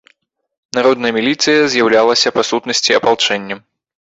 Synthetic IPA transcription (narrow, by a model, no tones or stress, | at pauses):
naɾɔd̪nɐjɛmʲilʲit̪sɨjɐzʲjawlʲalˠɐsʲɐpasut̪nɐsʲt͡sʲiɐpalˠt͡ʂɛnʲːɐm